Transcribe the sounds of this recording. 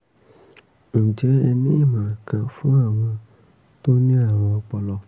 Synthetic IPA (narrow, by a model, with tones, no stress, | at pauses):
n̩˨d͡ʒɛ˨˦ɛ˧nẽ˦˨mã˨kã˧fũ˦a˦˨w̃ɔ̃˧ | t̪o˦nĩ˦a˦˨w̃ɔ̃˧ɔ˧k͡pɔ˧lɔ˧